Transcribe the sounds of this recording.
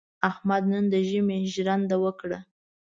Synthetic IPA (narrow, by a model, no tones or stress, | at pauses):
ahmad̪̚nənd̪əʒəmeʒɾand̪awəkɽa